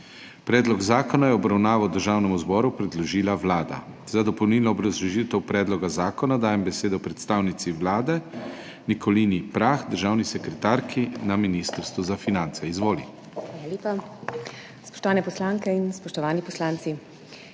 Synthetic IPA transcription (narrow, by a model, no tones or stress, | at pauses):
pɾɛːd̪lɔɡzaːkɔnajɛɔbɾawnaːʋawd̪əɾʒaːwnɛmuzbɔːɾupɾɛd̪lɔʒiːlaʋlaːd̪a̰ | z̥ad̪ɔpɔwniːlnɔːbɾazlɔʒit̪ɛwpɾɛːd̪lɔɡazaːkɔnad̪aːjɛmbɛseːd̪ɔpɾɛt̪st̪aːwnit̪siʋlaːd̪ɛ | nikʰɔlinipɾaxd̪əɾʒaːwnisɛkɾɛt̪aːɾkʰinaminist̪əɾst̪ʋuzafinant̪sɛizʋoːlḭm | xaːlaleːpa | spɔ̥ʃt̪ɔʋaːnɛpɔslaːŋkɛinspɔʃt̪ɔʋaːnipɔslaːnt̪si